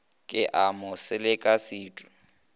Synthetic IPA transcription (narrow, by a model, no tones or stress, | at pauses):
kʼɪʔamʊsɪlɪkʼasiːtʼʊ